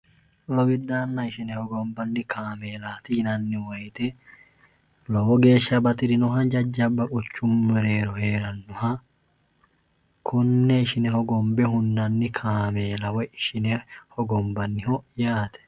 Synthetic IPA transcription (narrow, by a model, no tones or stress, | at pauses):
lɔwɪd̪aːnːɐɪʃɪnɛhɔɡɔmbɐnːɪkʰaːme̞ːlaːt̪ɪnɐnːɪwɐjt̪ɛ | lɔwɔɡe̞ːʃːɐbɐt̪ɪɾɪnɔɦɐd͡ʒɐd͡ʒːɐbːɐkʼʊt͡ʃːʊmːɛɾe̞ːɾɔhe̞ːɾɐnːɔhɐ | kʰʊnːɛɪʃɪnɛhɔɡɔmbɛhʊnːɐnːɪkʰaːmeːlɐwɔɪʃɪnɛhɔɡɔmbɐnːɪhɔjaːt̪ɛ̥